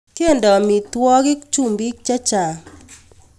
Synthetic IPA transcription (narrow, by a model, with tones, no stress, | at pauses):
ke˦˨ndɔ˨mi˨twɔ˦ɣɪ˦kt͡ʃu˦˨mbi˦k̚t͡ʃa˦t͡ʃa˨